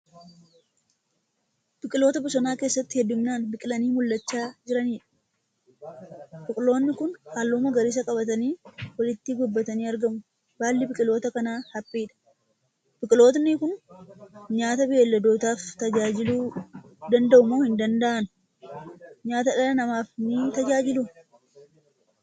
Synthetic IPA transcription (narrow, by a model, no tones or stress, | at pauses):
bɪkʼɪlo̞ːt̪ɐbʊsɐnaːke̞ːsːɐt̪ːɪhɛd̪ːʊmnaːnbɪkʼɪlɐniːmʊlːɐt͡ʃːaːd͡ʒɪɾɐniːᶑɐ̥ | b̥ɪkʼɪlo̞ːnːɪkʊnhaːlːoːmɐɡɐɾɪːs̬ɐkʼɐbɐt̪ɐniːwɐlɪt̪ːɪɡʊbːɐt̪ɐniːɐɾɡɐmʊ | b̥aːlːɪbɪkʼɪloːt̪ɐkɐnaːhɐpʼːiːᶑɐ̥ | b̥ɪkʼɪlo̞ːt̪nɪkʊn | ɲaːt̪ɐbɪeːlːɐd̪o̞ːt̪aːft̪ɐd͡ʒaːd͡ʒɪluː | d̪ɐnd̪ɐʔʊmoːhɪnd̪ɐnd̪ɐʔɐnʊ | ɲaːt̪ɐᶑɐlɐnɐmaːfnɪt̪ɐd͡ʒaːd͡ʒɪlʊ